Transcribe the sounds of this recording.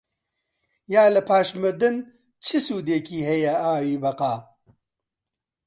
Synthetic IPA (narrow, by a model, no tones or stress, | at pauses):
jaːlɨpʰaːʃmɨd̪ɨn | t͡ʃʰɨsuːd̪eːkiːɦɛjɛaːwiːbɐqaː